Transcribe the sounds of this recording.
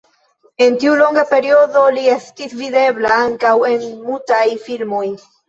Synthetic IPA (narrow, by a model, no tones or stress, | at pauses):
e̞ntiulo̞ŋɡape̞ɾio̞do̞lie̞stisvide̞blaaŋkawe̞nmultajfilmo̞j